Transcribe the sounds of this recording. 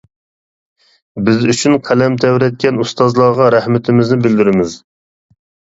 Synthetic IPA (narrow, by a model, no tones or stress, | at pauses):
bɪzyt͡ʃʰynqʰælɛmt̪ʰɛwɾɛt̪̚kʲɛnust̪ɑzlˠɑːʁɑɾæhmɪt̪ʰɪmɪznɪbɪld̪ɪɾɪmɪz